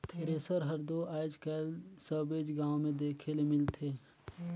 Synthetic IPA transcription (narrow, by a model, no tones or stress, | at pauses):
t̪ʰeːɾeːsəɾɦəɾd̪oʔaːd͡ʒkɛːlsəbeːd͡ʒɡaːõmẽd̪eːkʰelemɪlt̪ʰeː